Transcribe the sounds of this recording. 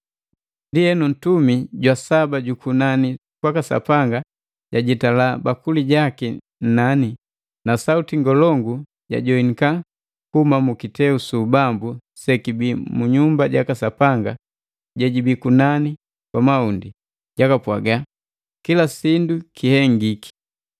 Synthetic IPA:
ndiɛnun̩tumiɟwasabaɟukunani | kwakasa̰paŋɡa | ɟaɟitalabakuliɟaki | n̩nani | nasautiŋɡɔlɔŋɡu | ɟa̰ɟɔiŋika | kumamukitɛusubambu | sɛkibimuɲumbaɟakasapaŋɡa | ɟɛɟibikunani | kwamaundi | ɟ̥akapwa̰ɡa | kilasindukʰihɛŋɡiki̥

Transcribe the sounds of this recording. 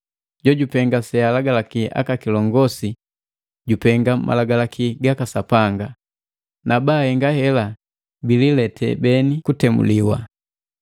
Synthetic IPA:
ɟɔɟupɛŋɡasɛalaɡalakiʔa̰kakilɔŋɡɔsi | ɟupɛŋɡamʔa̰laɡalakiɡakasapaŋɡa | nabaːhɛŋɡahɛla | bililɛtʰɛ̰bɛnikutɛmṵliwa̰

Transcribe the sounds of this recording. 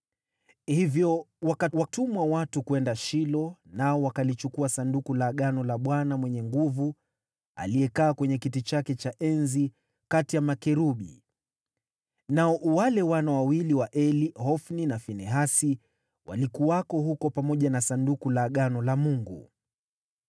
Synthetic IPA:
hivjɔwakawatumwawatukuɛndaʃilɔnaɔwakalit͡ʃukuasandukulaɠanɔlaɓwanamwɛɲɛŋɡuvu | a̰liɛkaːkwɛɲɛkitit͡ʃakɛt͡ʃaʔɛnzi | katijamakɛɾuɓḭ | naɔʔwalɛwanawawiliwaʔɛlihɔfninafinɛɦasi | wʔa̰likuwakɔɦukɔpamɔʄanasandukulaɠanɔlamuŋɡu

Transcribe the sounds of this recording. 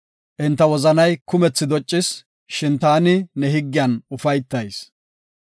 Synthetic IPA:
ʔɪnt̪ːɐwɔzɐnɐjkʊmɛt͡sːɪd̪ɔt͡ʃʼːɪs | ʃɪnt̪aːnɪnɛɦɪɡːɪjɐnʊfɐjt̪ːɐjs

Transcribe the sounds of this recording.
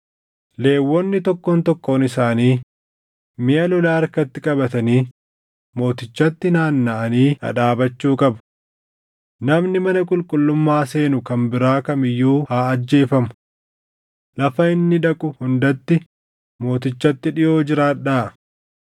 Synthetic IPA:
le̞ːwːɔnːɪt̪ɔkːoːnt̪ɔkːo̞ːnɪsaːniː | mɪʔɐlɔlaːɐɾkɐt̪ːɪkʼɐbɐt̪ɐniː | mo̞ːt̪ɪt͡ʃːɐt̪ːɪnaːnːaʔɐniːɐ̰ᶑaːbɐt͡ʃːuːkʼɐbɐ̥ | nɐmnɪmɐnɐkʼʊlkʼʊlːʊmːaːse̞ːnʊkɐmbɪɾaːkɐmɪjːuːhaːɐd͡ʒːe̞ːfɐmʊ̥ | lɐfɐɪnːɪᶑɐkʼʊhʊnd̪ɐt̪ːɪ | mo̞ːt̪ɪt͡ʃːɐt̪ːɪᶑɪjo̞ːd͡ʒɪɾaːᶑaː

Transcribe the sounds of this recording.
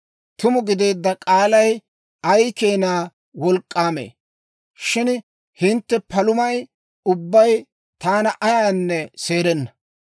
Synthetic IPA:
t̪ʊmʊɡɪd̪e̞ːd̪ːɐkʼaːlɐj | ɐjkeːnaː | wɔlkʼːaːmḛː | ʃɪn | hɪnt̪ːɛpɐlʊmɐj | ʊbːɐj | t̪aːnɐʔɐjaːnːɛse̞ːɾɛnːɐ̥

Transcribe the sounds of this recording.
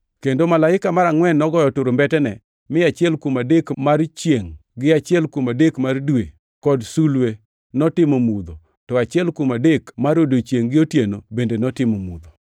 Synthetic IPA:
kendomalaɪkamaɾaŋwɛnːɔɡɔjɔtʊɾombɛtɛnɛ | mɪat͡ʃɪɛlkumadekmart͡ʃjeŋɡɪat͡ʃɪɛlkumadekmardwe | kɔdsulwe | nɔtɪmomud̪o | tɔat͡ʃɪɛlkumadekmaɾodot͡ʃjeŋɡɪotjenobendenɔtɪmomṵd̪o

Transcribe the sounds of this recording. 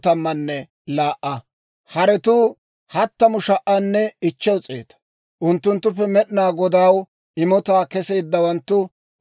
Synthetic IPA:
t̪ɐmːɐnːɛ | laːʔɐ | hɐɾɛt̪uː | hɐt̪ːɐmʊʃɐʔanːɛɪt͡ʃːɛwt͡sʼe̞̰ːt̪ɐ̥ | ʔʊnt̪ːʊnt̪ːʊpːɛmɛɗnaːɡɔd̪aːw | ɪmɔt̪aːkɛse̞ːd̪ːɐwɐnt̪ːʊ

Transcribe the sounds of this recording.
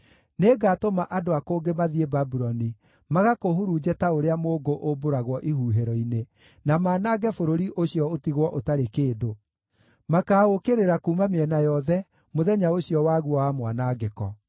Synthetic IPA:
neːɡaːtomaʔadoakoːŋɡemaðiebabuɾɔni | maɣakohuɾud͡ʒɛtaoɾeamoːɡoʔoboɾaɣwɔʔihuːɦeɾɔine | namaːnaːɡɛfoɾoɾiʔoɕiɔotiɣwɔʔotaɾekeːdo | makaːokeɾeɾakuːmameɛnajɔðɛ | moðɛɲaoɕiɔwaːɣuɔwamwanaɡekɔ

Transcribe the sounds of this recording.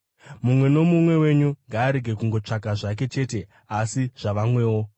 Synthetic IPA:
mumwe̞no̞mumwe̞we̞ɲuŋɡaːɾe̞ɡʱe̞kuŋɡo̞t͡ʂakaʐak̬e̞t͡ʃe̞ːte̞ | asiʐ̥aʋamwe̞ːwo̞

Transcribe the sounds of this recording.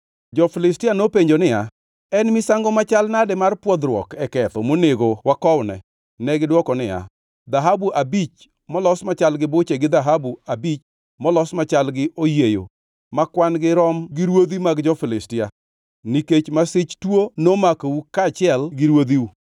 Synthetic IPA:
d͡ʒɔfɪlɪstɪanopeɲd͡ʒonɪja | ɛnmɪsaŋɡɔmat͡ʃalnadɛmarpwɔd̪ɾwɔ̰kɛkɛt̪ɔmoneɡowakɔwnɛ̰ | nɛɡɪdwɔkɔnɪja̰ | d̪aɦabuʔabit͡ʃ | mɔlɔsmat͡ʃalɡɪbʊt͡ʃeɡɪd̪aɦabuabit͡ʃ | mɔlɔsmat͡ʃalɡɪʔojejo̰ | makwanɡɪɾɔmɡɪɾwod̪imaɡd͡ʒɔfɪlɪstɪja | niket͡ʃmasɪt͡ʃtwonomakoukat͡ʃɪɛlɡɪɾwod̪iwu

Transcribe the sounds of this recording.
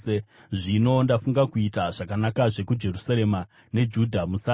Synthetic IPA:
eʐino̞ndafuŋɡakuitaʐ̥akanakaʐe̞kud͡ʒe̞rusaɾe̞ma | ne̞d͡ʒudʱamusa

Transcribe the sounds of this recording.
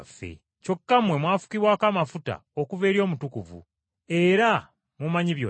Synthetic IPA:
fːe̞̰ | co̞kːamwe̞mwaːfu̥kiβwaːkaːmafuta̰okuve̞ːɾjo̞ːmutukuvṵ | e̞ɾa | mumaɲiβjo

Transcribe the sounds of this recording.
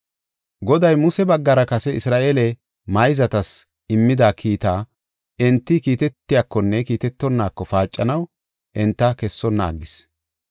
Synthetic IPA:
ɡɔd̪ɐjmʊsɛbɐɡːɐɾɐkɐsɛɪsɾaːʔeːlɛ | mɐjzɐt̪ɐs | ɪmːɪd̪aːkʰiːt̪aː | ɛnt̪ːɪkiːt̪ɛt̪ːɪjakːɔnːɛkiːt̪ɛt̪ːɔnːaːkːɔfaːt͡ʃʼːɐnɐw | ʔɛnt̪ːɐkɛsːɔnːɐ̰ːɡːɪs

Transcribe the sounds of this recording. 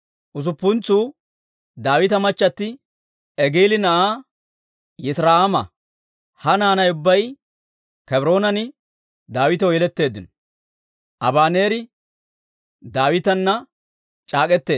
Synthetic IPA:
ʔʊs̬ʊpːʊnt͡suː | d̪aːwɪt̪ɐmɐt͡ʃːɐt̪ːɪ | ɛɡeːlɪnɐʔaː | jɛt̪ɾaːamɐ | hɐnaːnɐjʊbːɐj | kɛbɾo̞ːnɐnɪ | d̪aːwɪt̪ɐwjɛlɛt̪ːe̞ːd̪ːɪnɔ | ʔɐbaːne̞ːɾɪ | d̪aːwɪt̪ɐnːɐ | t͡ʃʼaːkʼɛt̪ːe̞ː

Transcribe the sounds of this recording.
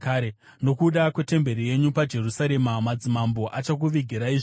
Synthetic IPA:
aːɾe | no̞kuɗakwe̞te̞mbe̞ɾije̞ɲupad͡ʒe̞rusaɾe̞mamad͡zimambo̞ʔat͡ʃak̬uʋiɡʱiɾaiʐ

